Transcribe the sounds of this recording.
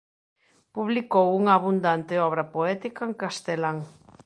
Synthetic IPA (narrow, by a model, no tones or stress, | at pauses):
puβlikowuŋɐːβund̪ant̪eɔβ̞ɾɐpoɛt̪ikaeŋkast̪elaŋ